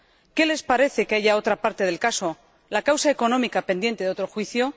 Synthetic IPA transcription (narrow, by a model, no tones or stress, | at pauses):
ke̞le̞spaɾe̞θe̞keaʝao̞t̪ɾapaɾt̪e̞ð̞e̞lkaso̞ | lakawsae̞ko̞nõ̞mikape̞nd̪jent̪e̞ðo̞t̪ɾo̞xwiθjo̞